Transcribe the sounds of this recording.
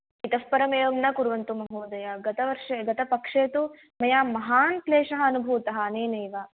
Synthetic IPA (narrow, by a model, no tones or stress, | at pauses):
it̪ɐspɐɾɐmeːʋɐmnɐkuɾʋɐnt̪umɐɦoːd̪ɐjɐɡɐt̪ɐʋɐɾʂɐɡɐt̪ɐpɐkʂeːt̪u | mɐjaːmɐɦaːnt̪leːʂɐɦɐːnubʱuːt̪ɐɦɐ̆ːneːneːʋa